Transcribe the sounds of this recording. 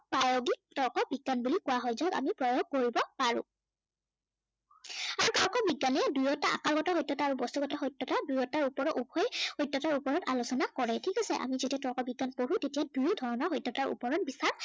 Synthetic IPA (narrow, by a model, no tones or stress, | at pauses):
pajoɡik̚tɔɹkɔbiɡːanbulikʊwaɦɔjzɔɡa̰mipɹɔjoɡ̚koɹibɔpaɹʊ̰̃ | aɹutɔɹkɔbiɡːanɛdujɔtaʔa̰kaɹɡɔtaɦɔjtːɔtaːɹubɔstuɡɔtaɦɔjtːɔtadujɔtaɹupɔɹɔʔupʰɔɛhɔjtːɔtaɹupɔɹɔta̰lusɔnakɔɹɛtʰikasɛ̰ʔa̰mizetiatɔɹkɔbiɡːanpoɹũtetijadujɔdʱɔɹɔnɔɹxɔjtːɔtaɹʔṵpɔɹɔt̚bisaɹ